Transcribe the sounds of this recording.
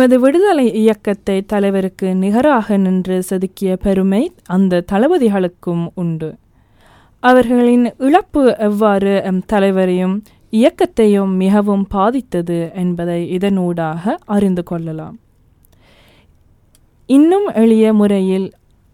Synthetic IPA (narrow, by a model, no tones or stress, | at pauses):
ɐðɯʋɪɽɯðɐlɐɪɪjɐkːɐt̪ːɐɪt̪ːɐlɐɪʋɐɾɯkːɯnɪɣɐɾaːɣɐnɪndrɯsɐðɯkːɪjɐpɛɾɯmɐɪʔɐnd̪ɐt̪ɐlɐʋɐðɪɣɐɭɯkːɯmʊɳɖɯ | ʔɐʋɐɾɣɐɭɪnɪɭɐpːɯɛʋːaːɾɯt̪ɐlɐɪʋɐɾɐjɯm | ɪjɐkːɐt̪ːɐjɯmːɪɣɐʋɯmbaːðɪt̪ːɐðɯɛnbɐðɐɪɪðɐnuːɽaːɣɐɐrɪnd̪ɯkɔɭːɐla̰ːm | ɪnːɯmɛɻɪjɐmʊrɐjɪl